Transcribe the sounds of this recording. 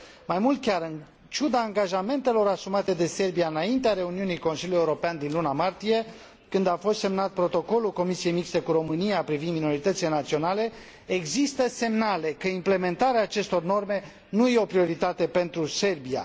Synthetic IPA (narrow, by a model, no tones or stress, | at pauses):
majmult̪̚kʲaɾɨn | t͡ʃud̪aːŋɡaʒame̞nt̪e̞lo̞ɾasumat̪e̞d̪e̞se̞rbiaɨnaint̪eaɾe̞uniunijko̞nsiljuje̞uɾo̞peand̪inlunamart̪ije̞ | kɨnd̪afo̞st̪semnat̪̚pɾo̞t̪o̞ko̞lulko̞misije̞jmikst̪e̞kuɾo̞mɨnijapɾivind̪minoɾit̪ət̪sile̞nat̪sio̞nale̞ | eɡzist̪əse̞mnale̞kəimple̞me̞nt̪aɾeaːt͡ʃe̞st̪o̞rno̞rme̞ | nujeo̞pɾio̞ɾit̪at̪e̞pe̞nt̪ɾuse̞rbia̰